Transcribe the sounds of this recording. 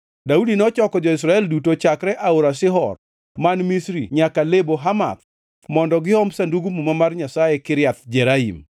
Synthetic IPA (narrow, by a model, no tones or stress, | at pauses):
daudinɔt͡ʃɔkɔd͡ʒɔis̬ɾaɛldutot͡ʃakɾɛʔaoɾasɪɦɔr | manmisɾḭɲakaleboɦama̰t̪ | mɔndɔɡɪɔmsanduɡumumamarɲasajɛkɪɾjat̪d͡ʒɛɾahḭm